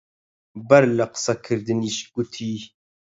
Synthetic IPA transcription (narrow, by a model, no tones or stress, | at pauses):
bɐɾlaqə̥sakʰɨɾd̪ɨniːʃɡ̥ut̪ʰiː